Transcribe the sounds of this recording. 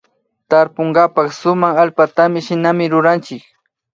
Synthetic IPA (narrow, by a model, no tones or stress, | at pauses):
t̪aɾpoɴɢɑpɑχsʊmaχalpat̪amɪʃɪnamɪɾʊɾant͡ʃɪk